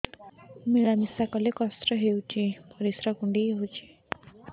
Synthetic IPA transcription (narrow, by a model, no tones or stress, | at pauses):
miɭamisakɔlekɔst̪ɾɔɦewt͡ʃʰipʌɾisɾaɡuɳɖiɦowt͡ʃʰi̥